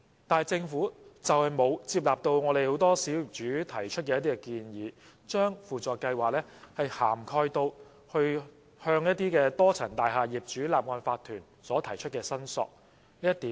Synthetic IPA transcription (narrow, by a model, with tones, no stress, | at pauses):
t̪aː˨jt͡sɪ˧ŋfuː˨˥t͡sɐ˨whɐ˨jmo˨˧wt͡siː˧p̬̚laː˨p̚t̪o˧wŋɔː˨˧ɾe˨˩jho˨˥wt̪ɔː˥siː˨˥wji˨p̚t͡ʃyː˨˥t̪ʰɐ˨˩jt͡ʃʰɵ˥t̚kɛː˧jɐ˥t̪iː˥kɛ˧kiː˧njiː˨˧ | t͡ʃœː˥ŋfuː˨t͡sɔː˨˧kːɐ˧jwaː˨k̚lɛː˥hɐ˨jha̰ː˨˩mkʰɔː˧jt̪o˧w | hɵ˧ɥ | hœː˧ŋjɐ˥t̚t̪ːiː˥kɛː˧t̪ɔː˥t͡sʰɐ˨˩ŋt̪aː˨jɦaː˨jiː˨˩p̚t͡ʃyː˨˥laː˨p̚ŋɔː˧nfaː˧t̪ʰyː˨˩n | sɔː˨˥t̪ʰɐ˨˩jt͡ʃʰɵ˥t̚kɛː˧sɐ˥nsɔ̰ː˨k̚ | liː˥ɐ˥t̪ːiː˨˦